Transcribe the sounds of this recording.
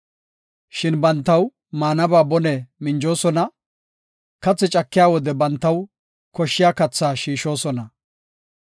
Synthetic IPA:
ʃɪnbɐnt̪ːɐw | maːnɐbaːbɔnɛmɪnd͡ʒo̞ːsɔnɐ | kɐt͡sːɛt͡ʃʼɐkːɪjaːwɔd̪ɛbɐnt̪ːɐw | kɔʃːɪjaːkɐt͡sːaːʃiːʃo̞ːsɔnɐ

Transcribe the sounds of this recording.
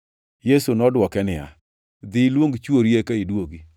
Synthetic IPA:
jesunɔdwɔkɛnɪja̰ | d̪ɪlwoŋɡt͡ʃwoɾjekaidwoɡi

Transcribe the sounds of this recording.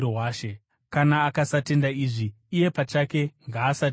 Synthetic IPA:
owaːʃe | kanaːkasate̞ndaiːʐiː | je̞pat͡ʃake̞ŋɡaːsa

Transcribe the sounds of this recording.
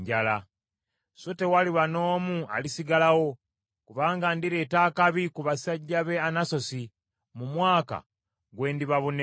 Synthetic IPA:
ɟala | sote̞waliβano̞ːmua̰lisiɡalawo̞ | kuβaːŋɡandiɾetaːkaβikuβasaɟːaβe̞anaso̞si | mumwaːka̰ | ɡwe̞ːndiβaβon

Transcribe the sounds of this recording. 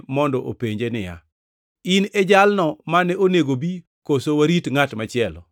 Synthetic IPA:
mɔndɔʔopeɲd͡ʒenɪja̰ | ɪnɛd͡ʒalnɔmanɛoneɡobi | kosowaɾitŋatmat͡ʃɪɛlɔ̰

